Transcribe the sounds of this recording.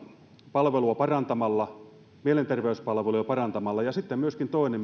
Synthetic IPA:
pɑlʋeluɑpɑrɑnt̪ɑmɑlːɑ | mielent̪erʋeyspɑlʋeluɑpɑrɑnt̪ɑmɑlːɑjɑsit̪ːemmyøskint̪oinem

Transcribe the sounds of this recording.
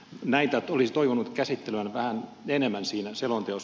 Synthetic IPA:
næit̪æt̪ːolisi̥t̪oiʋonut̪kæsit̪ːeløænʋæhænenemːænsiːnæselont̪eos

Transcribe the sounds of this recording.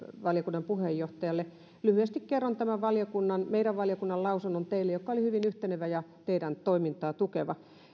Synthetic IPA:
ʋɑljokunːɑmpuhejːoht̪ɑjɑlːe | lyhyest̪ikkerːont̪æmæʋʋɑljokunːɑnmeiɾæʋʋɑljokunːɑllɑusunːont̪eilːejokːɑolihyʋinyht̪eneʋæjɑt̪eiɾænt̪oimint̪ɑːt̪ukeʋɑ

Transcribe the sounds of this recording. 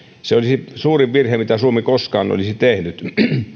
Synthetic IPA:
seolisisuːriʋʋirhemit̪æsuomikoskɑ̰ːno̰lisit̪ehnyt̪

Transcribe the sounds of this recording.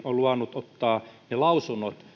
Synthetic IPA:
oluɑnːut̪ot̪ːɑːnelɑusunːˑot̪

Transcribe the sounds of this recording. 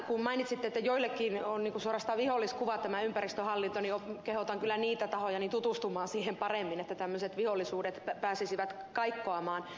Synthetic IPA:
kummɑinit̪sit̪ːet̪ːæjoilːekːinonniːŋkusuorɑst̪ɑːʋiholːiskuʋɑt̪æmæympærist̪øhɑlːint̪onijokehot̪ɑŋkylːˑæniːt̪æt̪ɑhojɑnint̪ut̪ust̪umɑːnsiːhempɑremːinet̪ːæt̪æmːøset̪ʋiholːisuːdet̪pæːsisiʋæt̪ | kɑikːoɑmɑːn

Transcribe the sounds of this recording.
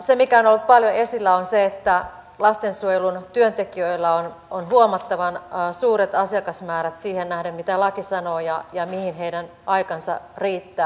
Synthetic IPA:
semikæonolːut̪̚pɑljoesilːæonseet̪ːæ | lɑst̪ensuojelunt̪yønt̪ekiøilːɑononhuomɑt̪ːɑʋɑnsuːɾet̪ɑsiɑkɑsmæːɾæt̪siːhennæhdæmmit̪ælɑkisɑnoːjɑjɑmihinɦeidæn | ʔɑikɑnsɑ̰riːt̪ːæː

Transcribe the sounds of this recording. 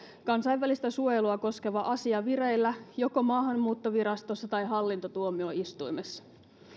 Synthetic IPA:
kɑnsɑjʋːælist̪æsuojeluɑko̞ske̞ʋɑʔɑsiɑʋiɾejlːæjo̞ko̞mɑːɦɑnːuːt̪ːoʋiɾɑst̪o̞sːɑt̪ɑjɦɑlːint̪ot̪uomioist̪ujmesːɑ̥

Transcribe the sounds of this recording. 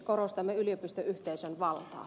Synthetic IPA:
korost̪ɑmːeylijøpist̪øʔyht̪eisønʋɑlt̪ɑ̰ː

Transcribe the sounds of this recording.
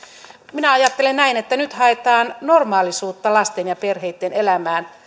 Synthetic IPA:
minæɑjɑt̪ːelennæinet̪ːænyt̪hɑet̪ɑːnno̞rmɑːlisuːt̪ːɑlɑst̪enjɑpe̞rɦejt̪ːenelæmæːn

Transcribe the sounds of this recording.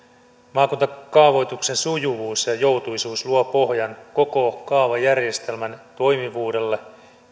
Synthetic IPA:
mɑːkunt̪ɑkɑːʋo̞jt̪ukse̞nsujuʋuːsjɑjo̞wt̪ujsuːsluopo̞ɦjɑnko̞ko̞kɑːʋɑjærje̞st̪e̞lmænt̪o̞jmiʋuːde̞lːe

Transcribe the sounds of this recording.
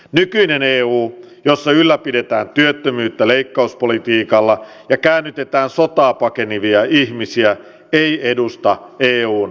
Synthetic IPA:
nykyineneːuːjosːɑylːæpide̞t̪æːnt̪yøt̪ːømyːt̪ːæleikːɑuspolit̪iːkɑlːɑ | jɑkæːnːyt̪e̞t̪æːnsot̪ɑːpɑkeniʋiɑʔihmisiæ | eiedust̪ɑeːuːn

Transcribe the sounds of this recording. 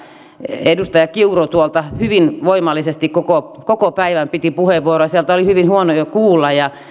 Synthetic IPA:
edust̪ɑjɑkiurot̪uolt̪ɑhyʋinʋoimɑlːˑisest̪ikkokokokopæiʋæmpit̪ipuheʋːuorojɑsiælt̪æolihyʋinhuonojokuːlːɑjjɑ

